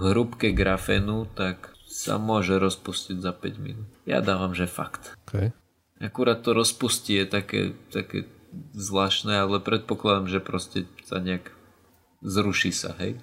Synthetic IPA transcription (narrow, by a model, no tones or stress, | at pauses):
ɦɾupkɛɡɾafɛnut̪ak | sa̰mʊɔʒɛɾɔspusciɟzapɛ̰ɟmḭnuja̰d̪aːʋamʒɛfa̰kt̪kʰɛj | ʔakuɾaːt̪̚ːɔɾɔspuscijɛt̪akɛ̰ːt̪akɛ̰ː | zlaːʃnɛalɛpɾɛt̪̚pɔklˠad̪amʒɛpɾɔscɛsa̰ɲɛaɡ | zɾuʃisa̰ɦɛj